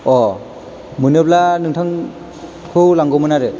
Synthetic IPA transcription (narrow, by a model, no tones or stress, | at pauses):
ɔ | mɯnɯplanɯŋtʰaŋ | kʰɯwlaŋɡɔmɯnaɾɯ